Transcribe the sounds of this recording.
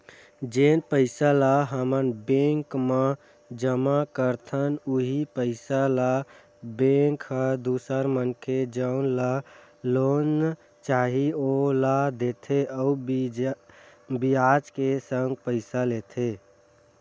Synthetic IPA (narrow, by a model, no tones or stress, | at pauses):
d͡ʒenpəɪsalaɦəmənbẽŋkme | d͡ʒəmakəɾt̪ʰənuɦipəɪsala | bẽŋkʰəd̪usəɾmənkʰed͡ʒəʊnlalon | t͡ʃaɦiolad̪et̪ʰeəub | biad͡ʒkesəŋɡ̚pəɪsalet̪ʰe